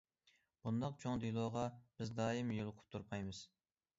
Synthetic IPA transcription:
b̥und̪ɑq̚t͡ʃʰoŋd̪ilˠoːʁɑb̥ɪzd̪ɑːjimjolˠʊqʰʊ̥p̚t̪ʰuɾpʰɑjmɨz̥

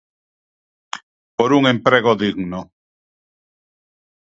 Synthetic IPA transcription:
poɾuŋẽmpɾeɣoðiɣno

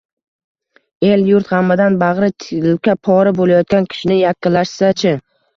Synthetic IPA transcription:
e̞ljʊɾt̪ʁɑmːɪd̪anbɑʁɾɪt̪ʰɪlkʲapʰɒɾɪbolajɒt̪̚kʲankʲʰɪ̥ʃɪnɪjakʲːɪlːaʃsat͡ʃʰɪ

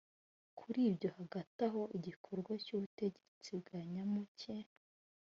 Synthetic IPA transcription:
kʰuɾiːbɟo̞haɡataɦo̞ʔiɟikʰo̞ɾɡwacuβute̞ɟe̥t͡sibɡaɲamuce̞

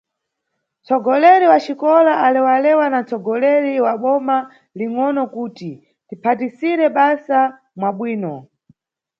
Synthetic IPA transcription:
t͡sʰɔɡɔlɛɾiwat͡ʃikɔlaʔalɛwalɛwanant͡sɔɡɔlɛɾiwaɓɔma | liŋɔnɔkuːti | tipʰatisiɾɛɓasa | mwaɓwiːnɔ

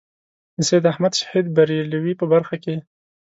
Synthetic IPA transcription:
sed̪ahmad̪ʃḁhid̪̚baɾjaliwipəbaɾxake

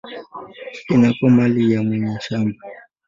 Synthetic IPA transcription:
inakɔmalijamwɛɲaʃama

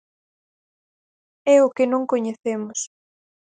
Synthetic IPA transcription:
ɛʊkɪnõŋkoɲeθemʊs

